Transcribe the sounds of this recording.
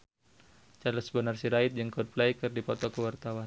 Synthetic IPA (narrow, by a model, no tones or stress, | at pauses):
t͡ʃalɔsəbənarsiɾaɪt̪̚d͡ʒəŋkɔd̚plajkɨrdipɔt̪ɔkəwart̪awan